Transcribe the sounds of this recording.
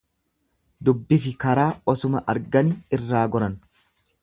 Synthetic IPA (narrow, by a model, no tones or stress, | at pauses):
d̪ʊbːɪfɪkɐɾaːɔsʊmɐʔɐ̰ɾɡɐniɪrːaːɡɔɾɐn